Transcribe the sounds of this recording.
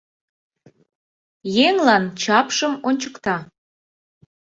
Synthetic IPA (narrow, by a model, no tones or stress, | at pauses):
jeŋlɑnt͡ɕɑpʃəmonʲt͡ɕəkt̪ɑ